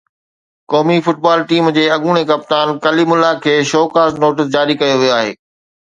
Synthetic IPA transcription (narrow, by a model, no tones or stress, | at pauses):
kɔːmifʊʈ̚baːlʈiːmd͡ʑeːɐɠuːɽ̃ekɐp̚t̪aːnkɐlimʊlːakʰeːʃɔːkaːsnoːʈɪs̬d͡ʑaːɾikɐjoʋijoaːɦḛː